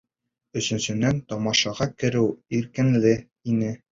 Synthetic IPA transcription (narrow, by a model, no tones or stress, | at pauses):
ɵ̆sɵ̆nsɵ̆nænt̪ɒmɑʃɑʁɑkɘ̆ɾɘwiɾkɘ̆nlɘ | inɘ